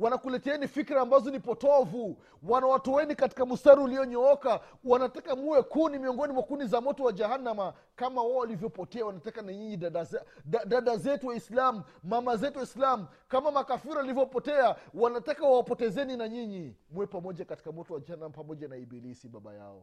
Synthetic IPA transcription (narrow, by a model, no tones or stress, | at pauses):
wanakulɛtɛɛnifikɾaːmbazɔnipɔtɔvu | wanawatɔwɛnikati̥kamustaɾiuliɔɲɔɔka | wanatakamuwɛkunimiɔŋɡɔnimwakunizamɔtɔwad͡ʒahanama | kamawɔwalivjɔpɔtɛawanatakanaɲiɲiaɗazaɗaɗazɛtuwaislamuːamazɛtuwaislamu | kamamakafiɾaalivjɔpɔtɛawanatakawawapɔtɛzɛninaɲiɲimuwɛpamɔʄakati̥kamɔtɔwad͡ʒahanamapamɔʄanaibilisiɓaɓa̰ja̰ɔ̰